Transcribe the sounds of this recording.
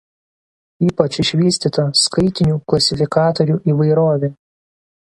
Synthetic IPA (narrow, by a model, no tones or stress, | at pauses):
iːpɐt͡ʃɪʃʲʋʲiːsʲt̪ʲiːt̪oskɐɪt̪ʲɪnʲuːklˠɐsʲɪfʲɪkɑːt̪ɔɾʲuːʔiːʋɐɪɾoːʋʲeː